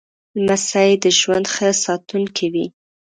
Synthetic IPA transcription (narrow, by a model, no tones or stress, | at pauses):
lmasaid̪əʒwand̪xəsɑt̪uŋkʰiwi